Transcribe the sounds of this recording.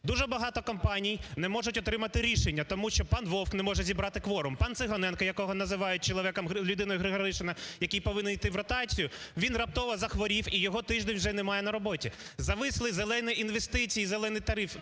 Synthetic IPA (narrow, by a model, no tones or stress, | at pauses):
d̪uʒɛbɐɦɑt̪ɔkɔmpɑnʲijnɛmɔʒʊtʲɔt̪ɾɪmɐt̪ɪɾʲiʃenʲːɐt̪ɔmuʃt͡ʃɔpɑnʋɔwknɛmɔʒɛzʲibɾɑt̪ɪkʋɔɾʊmpɑnt̪sɪɦɔnɛnkɐjɐkɔɦɔnɐzɪʋɑjʊt̚ʲt͡ʃɔlˠɔʋʲɛkɔmlʲʊd̪ɪnɔjʊɦɾɪɦɾɪʃɪnɐjɐkʲijpɔʋɪnːɛnjt̪ɪʋɾɔt̪ɑt͡sʲijʊʋʲinrɐp̚t̪ɔʋɐzɐxʋɔɾʲiwijɔɦɔt̪ɪʒd̪enʲwʒɛnɛmɑjɛnɐɾɔbɔtʲizɐʋɪslˠɪzelˠɛnɪjinʋest̪ɪt͡sʲijizelˠɛnɪjt̪ɐɾɪf